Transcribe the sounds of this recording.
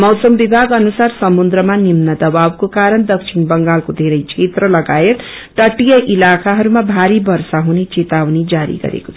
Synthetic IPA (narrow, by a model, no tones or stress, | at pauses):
mʌwsʌmbibʱaɡʌnusarsʌmund̪ɾʌmanimnʌd̪ʌbawkokaɾʌnd̪ʌksʰinbʌŋɡalkod̪ʱeɾʌjt͡ʃʰet̪ɾʌlʌɡaet̪ | ʈʌʈijʌʔilakaɦʌɾumabʱaɾibʌrsaɦunet͡set̪awnid͡zaɾḭɡʌ̰ɾḛko̥t͡sʰʌ